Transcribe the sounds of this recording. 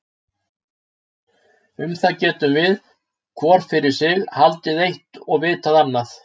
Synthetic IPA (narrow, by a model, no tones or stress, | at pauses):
ʏmθaðcɛːt̪ʏmvɪð | kʰvɔːɾ̥fɪɾɪɾ̥sɪɣhalt̪ɪðejht̪ɔɣvɪːt̪aðanːaθ